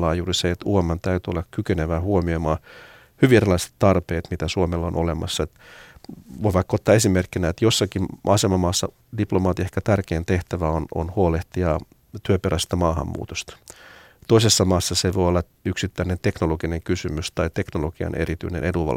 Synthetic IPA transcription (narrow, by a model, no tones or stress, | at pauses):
lːɑːjuːriseet̪uɑmːɑnt̪æyt̪yolːɑkkykeneʋæːhuomiomɑː | hyʋierilɑise̥t̪tɑrpeːt̪mit̪æsuomelːɑonʔolemɑ̰sːɑet̪ | ʋoiʋɑkːot̪ːɑːe̞simerkːinæet̪josːɑkimʔɑsemɑmɑːsːɑ̰ | diplomɑːt̪iɑehkæt̪ærkeːnt̪e̞ht̪æʋæono̰nhuoleht̪iɑ | t̪yøpeɾæst̪ɑmɑːhɑ̰mːṵːt̪ost̪ɑ̥ | t̪oisesːɑmɑːsːɑseʋojolːɑ | yksit̪ːæinent̪e̞knoloɡ̥ineŋkysymyst̪ɑit̪e̞knoloɡ̥iɑ̰nʔe̞̰ɾit̪y̰inḛnʔeduʋɑ̰l